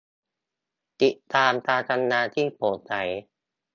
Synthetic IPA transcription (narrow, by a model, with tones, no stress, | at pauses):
t̪i˨˩aː˧mt̪aː˧t̪ʰa˧nːaː˧t̪ʰiː˥˩pʰoː˨˩˦sa˩˦j